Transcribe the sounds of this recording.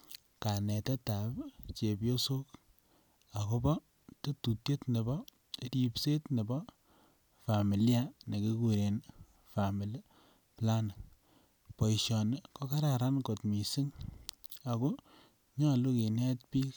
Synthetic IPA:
ka˨nɛ˨tɛ˦ta˨pt͡ʃe˨pjo˦so˦k | a˨ko˦bɔ˦ | te˦tu˨tje˦tne˨bɔ˦ | di˦pse˦tne˨bɔ˦ | fa˨mi˨la˦ne˨ki˦ku˨ɾe˨n | fa˨mi˨l | pla˦na˨ | po˨i˨ʃɔ˨n˨kɔ˦ka˦ɾa˨ɾa˦nko˨tmi˨si˦ŋ | a˨ko˦ | ɲɔ˦˨lu˦ki˨nɛ˦t̚pi˦k

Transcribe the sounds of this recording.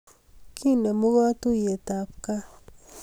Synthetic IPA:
kʰi˦ne˨mu˦ɣa˦t̪u˦je˨t̪a˨p̚ka˦

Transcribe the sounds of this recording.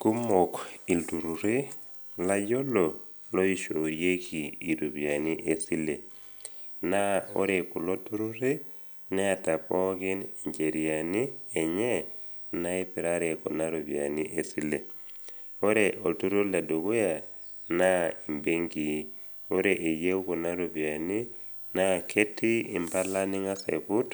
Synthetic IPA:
ku˦mɔ˨ki˨ltu˨ɾu˨ɾe˦ | la˦ɟɔ˦lɔ˨ | lɔ˦i˦ʃo˨ɾje˦kʰiː˨ɾu˨bja˨ni˦ʔesi˦le˨ | na˦o̰˦ɾeku˨lo˦tu˦ɾu˦ɾe˦ | nɛ˦a˨ta˨pɔ˦ki˦niɲd͡ʒe˨ɾianiː˦˨ɲɛ˦ | na˦i˦pi˨ɾaɾe˨ko˨na˦ɾo˨βja̰˨ni˦ʔe˨si˦le˨ | o˦ɾeʔo˨tu˦ɾu˦le˨do˨ku˦ja˨ | na˦i˨mbe˦ŋɡi˨ | o˦ɾeʔe˨je˦u˦ko˨na˦ɾu˨bja˨ni˦ | na˦kʰe˦ti˦i˨mba˦la˦ni˦ŋa˦sḛ˨pu˦t

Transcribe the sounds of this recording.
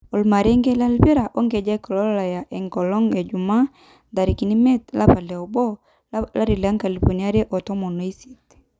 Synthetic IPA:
ɔ˨lma˨ɾe˦ŋɡe˦la˦lbi˦ɾa˨ʔo˦ŋɡe˨d͡ʒa˦kɔ˨lɔ˦la˨ja˨ʔe˨ŋkɔ˨lɔ˦ŋe˨d͡ʒu˨ma˦ | da˨ɾi˨ki˨ni˦me˦t̪la˦pa˨lɛ˨o˨bɔ˦ | la˦ɾi˨la˦ŋka˨li˨ɸo˨nia˦ɾe˦ʔɔ˨tɔ˦mo˨no˨˦i˦si˦t

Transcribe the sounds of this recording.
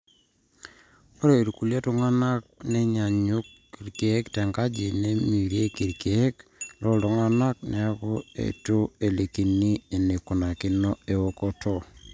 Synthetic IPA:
o˦ɾe˨ɾu˨ku˨le˦tu˦ŋa˦na˦k̚ne˦ɲa˨ɲu˦kː | i˨ɾke˨˦ktɛ˨ŋɡa˦d͡ʒi˨ne˦mi˨ɾje˦ki˨ɾke˨e˦klɔ˦lto˨ŋa˦na˦k̚nɛ˨˦a˦kɔ˦ḛ˨tu˦e˨le˨ki˨ni˦e˨ne˨ku˨na˨kɪ˦nɔ˦e˨o˦kɔ˦tʰɔ˦

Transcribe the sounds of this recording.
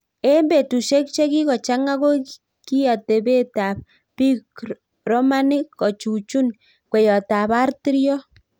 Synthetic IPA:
e˦mbe˨tu˨ʃe˦k̚t͡ʃe˦ki˦kɔ˨t͡ʃa˦ŋa˦ko˦ | ki˦ja˨te˨be˦ta˨p̚ | pi˦k | rɔ˦ma˦ni˦kːɔ˨t͡ʃu˨t͡ʃu˦n | kwɛ˨jɔ˨ta˨ba˦rti˦ɾjɔ˦

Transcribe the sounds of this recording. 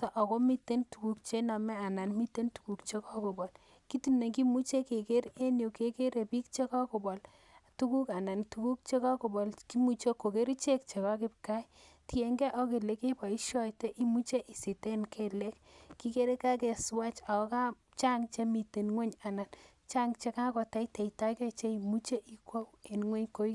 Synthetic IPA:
tɔ˨ʔɔ˨kɔ˦mi˦te˦ntu˨ku˨k̚t͡ʃe˦nɔ˨mɛ˦a˨na˨nmi˦te˦ntu̥˨ku˨kt͡ʃe˦kɔ˦ko˨bɔ˨l | ki˦tu˦ne˨ki˦mu˦t͡ʃe˦ke˨ke˦ɾe˦njo˨ke˨ke˦ɾe˨pi˦k̚t͡ʃe˦kɔ˦ko˨bɔ˨l | tu˦ku˦ka˨na˨ntu˨ku˦k̚t͡ʃe˦ka˦ko˨bɔ˨lki˦mu˦t͡ʃe˦kːo˨ke˦ɾi˦t͡ʃe˦k̚t͡ʃe˨ka˦k̬ɪ˦p̚ka˦j | ti˨e˨ŋɡɛ˦ʔɔ˦ke˨le˦ke˦pa˨i˦ʃɔ˦te˦ʔi˦mu˦t͡ʃe˦ʔi˨si˨te˦nkʰe˨le˦kki˦ke˦ɾe˦ka˦ke˨swa˦t͡ʃa˨ɔ˦ka˦ | t͡ʃa˦ŋt͡ʃe˦mi˨te˨nŋwɛ˦ɲa˨na˨n | t͡ʃa˦ŋt͡ʃe˦ka˦kɔ˨ta˦te˨ita˦ke˦t͡ʃe˦i˨mu˦t͡ʃe˦ʔi˦kwo˦we˨nŋwɛ˦ɲko˦i˦

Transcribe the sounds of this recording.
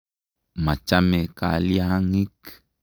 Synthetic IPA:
ma˨t͡ʃameka̰˨lja˦ŋi˦k

